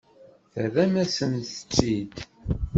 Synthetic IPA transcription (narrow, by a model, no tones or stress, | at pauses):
θəðæmæsənθə̥t͡sːid̪